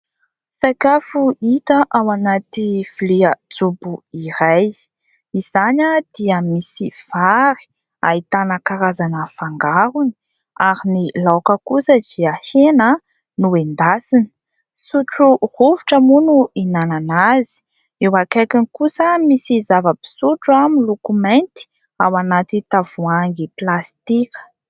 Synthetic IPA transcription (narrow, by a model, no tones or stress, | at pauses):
sakafuit̪əʔawanat̪iv̥iliəd͡zubuiɾaj | iz̥aɲəd̪̥iəmisiv̥aɾi̥ | ait̪anəkaɾazanəfaŋɡaɾuni̥ | aɾinilawkəkusəd̪iəhenə | nuend̪asini̥ | suʈ͡ʂuruvuʈ͡ʂəmunuinananazi̥ | ewakajkinikusəmisizavəbi̥suʈ͡ʂuamilokument̪i̥ | awanat̪it̪avuaŋɡiplast̪ikə̥